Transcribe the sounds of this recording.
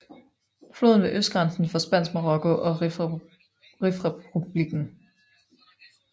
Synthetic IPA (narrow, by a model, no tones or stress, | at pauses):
flo̝ðˠn̩ʋe̝ʔøsd̥̚ɡ̥ʁɑ̈nsn̩fɒ̽sb̥æn̰smoʁɔ̽kʰo̝ʔɒ̽ | ʁifʁɛub̥liɡ̥n̩